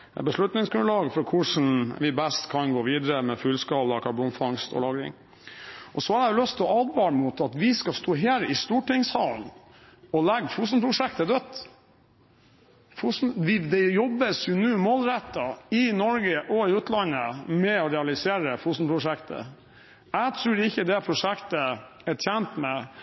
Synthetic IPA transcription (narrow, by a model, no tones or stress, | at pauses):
bəʂɭʉt̪nɪŋsɡɾʉlɑːɡfɾɔkʰʊʂn̩ʋɪbɛst̪kʰɑnɡoːʋiːd̪əɾəmɛfʉːlskɑːlɑkʰɑɾbuːnfɑŋst̪ʰɔ̰lɑːɡɾɪ̰ŋ | ɔsɔhɑɖɛjʊlœst̪ʰlɔɑːd̪ʋɑɾmʊt̪ɑt̪ʋɪskɑst̪oːɦeːɾɪst̪uːʈɪŋshɑ̰ːln | ɔlɛɡːfuːs̬n̩pʰɾʊʂɛkt̪əd̪œt̪ | fusn̩ʋɪd̪ɛjɔbːəsjʊnʉːmɔlɾɛt̪ːɑɪnɔɾɡəʔɔɪʉːt̪lɑnːəmɛɔɾɛɑlɪseːɾəfuːst̪n̩pʰɾʊʂɛkt̪ʰə̰ | æɡt̪ʰɾʉːɾɪçːəd̪ɛpʰɾʊʂɛkt̪ə | ɛʈʰjɛnt̪mɛ